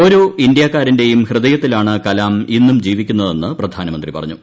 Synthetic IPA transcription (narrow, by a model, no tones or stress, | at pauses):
o̞ːɾo̞ːʔindjaːkːaːɾinde̞jumhrɨðɐjɐt̪ːilaːɳɨkɐlaːminːumd͡ʑiːʋikʲːunːɐðe̞nːɨprɐd̪ʱaːnɐmɐnd̪ripɐ̰rɐɲːu